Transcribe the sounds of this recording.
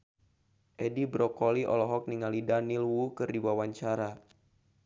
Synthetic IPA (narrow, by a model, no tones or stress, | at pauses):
ʔedibɾɔkoliʔɔ̰lɔɦɔk̚niŋalidanilwukɨrdiwawaɲt͡ʃaɾa